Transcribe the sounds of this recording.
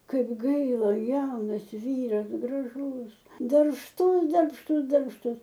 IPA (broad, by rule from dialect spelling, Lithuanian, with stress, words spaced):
ˈkɐɪp ˈɡɐɪlˠɐ ˈjɛʊnɐs ˈʋʲiːrɐs ɡrɐˈʒʊs dɐrpʃˈtʊs dɐrpʃˈtʊs dɐrpʃˈtʊs